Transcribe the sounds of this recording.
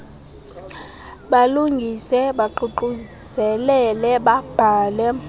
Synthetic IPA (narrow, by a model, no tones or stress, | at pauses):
ɓaluŋɡʱisɛɓaǃuǃuzɛlɛlɛɓab̥ʱaːlɛ